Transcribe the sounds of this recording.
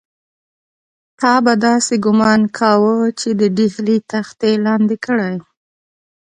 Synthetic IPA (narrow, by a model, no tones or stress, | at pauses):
t̪ɑbad̪ɑseɡʊmɑnkʰawət͡ʃed̪əɖihlit̪axt̪elɑnd̪ɪkəɽaj